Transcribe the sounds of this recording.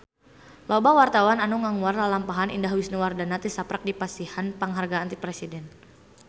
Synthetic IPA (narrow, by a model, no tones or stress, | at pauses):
lɔbawart̪awananuŋaŋuarlalampaɦanʔḭndaɦwisnuwardanat̪isapɾak̚dipasihanpaŋɦarɡaːnt̪ipɾɛsidɛn